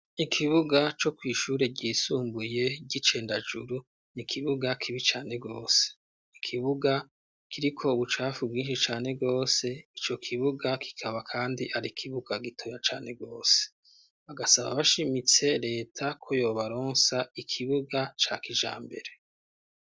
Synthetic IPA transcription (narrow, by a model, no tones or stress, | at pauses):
ikʰiβuɡat͡ʃo̞kwiːʃuːɾe̞ɟiːsuːmbuje̞ɟit͡ʃe̞ːndad͡ʒuɾu | nikʰiβuɡakʰiβit͡ʃaːne̞bɡo̞ːse̥ | ikʰiβuɡa | kiɾikʰo̞uβut͡ʃaːfubɡiːnʃit͡ʃaːne̞bɡo̞ːse̞it͡ʃo̞kʰiβuɡakʰi̥kʰaβakʰaːndiʔaɾikʰiβuɡ̥aɡitʰojat͡ʃaːne̞ɡo̞ːse̥ | βaɡasaβa̰βaʃimit͡se̞ɾe̞ːtʰakʰo̞jo̞ːβaɾoːnsaikʰiβuɡat͡ʃa̰kiʒa̰ːmbe̞̰ɾe̞